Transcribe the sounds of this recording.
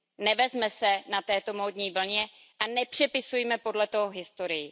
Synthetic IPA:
nɛvɛzmɛsɛnat̪ɛːt̪o̞moːd̪ɲiːvl̩ɲɛ | ʔanɛpr̝̥ɛpɪsujmɛpo̞dlɛt̪oɦoɦɪst̪o̞ɾɪjɪ

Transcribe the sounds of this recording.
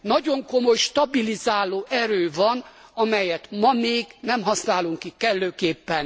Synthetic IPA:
nɒɟo̞ŋkomo̞jʃt̪ɒbilizaːloːʔɛɾøːvɒnɒmɛjɛt̪mɒmeːɡnɛmɦɒsnaːluŋkikkɛlːøːkeːpːɛn

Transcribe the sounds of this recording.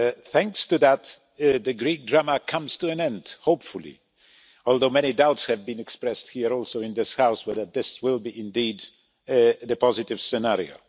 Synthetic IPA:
θæ̃ŋkstɨðæt̪ | ðɨɡɹik̚dɹaməkʰʌ̃mz̥tʰɨɨ̃nɛ̃ndhoʊpfʊlˠḭ | ɔlˠðoʊmɛñidaʊtshɨvbɨ̃nɨkspɹɛst̚hiɹɔlˠsoʊɨ̃nðɪshaʊswəðət̪̚ðɪswɪlˠbiʔɪ̃ndid̪ | ðɨpʰɑzɨtɨv̥sɨnaɹḭo̰ʊ

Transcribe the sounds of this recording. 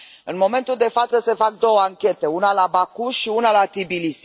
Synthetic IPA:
ɨnmo̞me̞nt̪uld̪e̞fat̪səse̞fak̚d̪o̞wəaŋkʲe̞t̪e̞unalabakuʃiunalat̪ibilis

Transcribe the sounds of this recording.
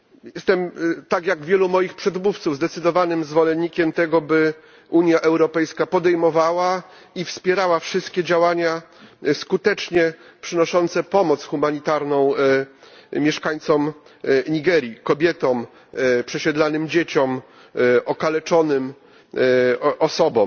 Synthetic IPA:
jɛst̪ɛmt̪akjaɡvʲjɛlumɔjixpʂɛd̪muft̪suvzd̪ɛt̪sɘd̪ɔvanɘmzvɔlɛnɲːikʲɛmt̪ɛɡɔbɘ | ʔuɲjaʔɛwɾɔpɛjskapɔd̪ɛjmɔvawa | ifspʲjɛɾawafʂɘst̪kʲɛd͡ʑawaɲaskut̪ɛt͡ʂɲɛ | pʂɘnɔʂɔnt̪sɛpɔmɔt̪sxumaɲit̪aɾnɔ̃w̃ | mʲjɛʂkaɲt̪sɔm | ɲiɡɛɾʲjikɔbʲjɛt̪ɔm | pʂɛɕɛd̪lanɘmd͡ʑet͡ɕɔm | ʔɔkalɛt͡ʂɔnɘm | ʔɔsɔbɔ

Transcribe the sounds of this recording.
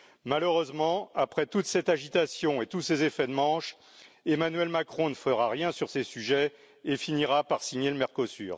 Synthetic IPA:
maløʁøzmɑ̃apχɛt̪ut̪sɛt̪aʒit̪asjɔ̃et̪usezefɛd̪mɑ̃ʃ | emanɥɛlmakχɔ̃nəfəʁaʁjɛ̃syʁsesyʒɛ | efiniʁapaʁsiɲeləmɛʁkosy̰ːʁ

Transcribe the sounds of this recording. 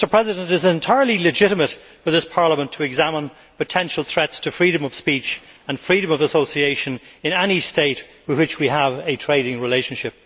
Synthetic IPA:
tə˞pʰɹ̥ɛzɪdə̃ntɨzɛ̃ntʰaɪə˞lˠilɨd͡ʒɪɾəmət | fə˞ðɪspʰɑɹləmə̃ntʰəːɡzæmə̃n | pʰətʰɛ̃nʃəl̩ˠθɹɛtstʰəfɹiɾɨ̃mʌv̥spit͡ʃə̃nfɹiɾə̃mʌvəsoʊsieɪʃə̃nɨ̃nɛnisteɪt̚wɨðwɨt͡ʃwiəvɨtʰɹ̥eɪɾɪ̃ŋɹɪleɪʃə̃n̩ʃɪp̚

